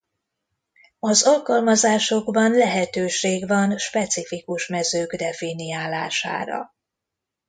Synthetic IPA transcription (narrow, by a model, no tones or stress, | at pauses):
ɒzɒlkɒlmɒzaːʃo̞ɡbɒnlɛɦɛt̪øːʃeːɡvɒnʃpɛt̪sifikuʃmɛzøːɡd̪ɛfinijaːlaːʃa̰ːɾɒ̰